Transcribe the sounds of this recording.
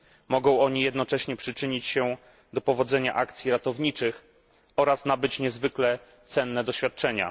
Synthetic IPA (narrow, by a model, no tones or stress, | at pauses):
mɔɡɔ̃w̃ɔɲijɛd̪nɔt͡ʂɛɕɲɛpʂɘt͡ʂɘɲit͡ɕɕɛ | d̪ɔpɔvɔd̪zɛɲa̰ʔakt̪sʲjiɾat̪ɔvɲit͡ʂɘx | ɔɾasnabɘt͡ɕɲɛzvɘklɛ | t̪sɛnːɛd̪ɔɕfʲjat̪̚t͡ʂɛɲa̰